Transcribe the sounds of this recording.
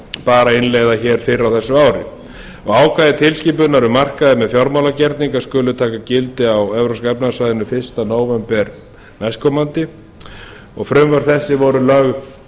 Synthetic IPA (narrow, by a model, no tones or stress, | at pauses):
paːɾaɪnleːjðaçɛːɾ̥fɪɾawθɛsːʏaːwɾɪ̰ | ɔɣaːwkʰvajðɪt̪ʰɪlsciːpʏnaɾʏmar̥kaðɪmɛðfjɔɾmawlacɛɾt̪niŋkaskʏːlʏt̪ʰaːkacɪlt̪ɪawɛvɾowskaɛp̚nasvajðɪnʏfɪr̥st̪anoːwvɛmpɛɾ | mɛskɔmant̪ɪ | ɔɣfɾʏmvœɾ̥θɛsːɪvɔɾʏlœɣ